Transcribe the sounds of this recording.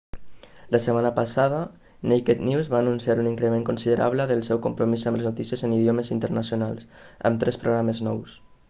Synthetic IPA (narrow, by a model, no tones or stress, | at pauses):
ləsəmanəpasaðə | nejket̪niwzβaːnunsiaɾuniŋkɾemeŋkunsiðəɾʔa̰β̞ləðəlˠsɛwkumpɾumizamləznut̪isiəzəniðjoməzint̪əɾnasjonalˠsə̰mt̪ɾɛspɾoɣ̞ɾaməznɔws